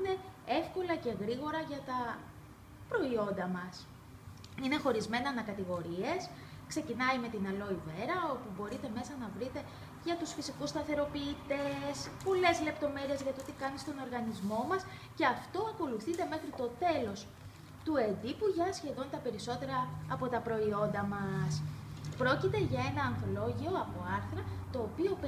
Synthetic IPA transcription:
ine̞efko̞lɐce̞ɣɾiɣo̞ɾɐʝɐt̪ɐ | pɾo̞io̞nd̪ɐmɐs | ine̞xo̞ɾizme̞nɐnɐkɐt̪iɣo̞ɾie̞s | kse̞cinɐime̞t̪inɐlo̞ive̞ɾɐopubo̞ɾit̪e̞me̞sɐnɐvɾit̪e̞ | ʝɐt̪usfisikust̪ɐθe̞ɾo̞piːt̪espo̞le̞zle̞pt̪o̞me̞ɾie̞zʝɐt̪ot̪ikɐnist̪o̞no̞ɾɣɐnizmo̞mɐs | ce̞ɐft̪o̞ɐko̞luθit̪e̞me̞xɾit̪o̞t̪e̞lo̞s | t̪ue̞nd̪ipuʝɐsçe̞ðo̞nt̪ɐpe̞ɾiso̞t̪e̞ɾɐːpo̞t̪ɐpɾo̞io̞nd̪ɐmɐspɾo̞cit̪e̞ʝɐe̞nɐːnθo̞lo̞ʝio̞ɐpo̞ɐɾθɾɐt̪o̞ːpio̞p

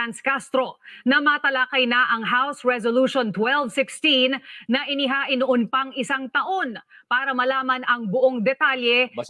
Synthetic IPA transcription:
ɐnskast̪ɾo̞nɐmɐt̪ɐlakɐjnɐʔɐŋɦawsɹɛzoluːʃont̪wɛlvsɪkst̪inːɐʔɪnɪɦaːʔɪnːʊʔonpɐŋɪsaŋt̪ɐʔo̞n | paːɾɐmɐlaːmɐnɐŋbʊʔo̞ŋd̪ɛt̪aljɛ

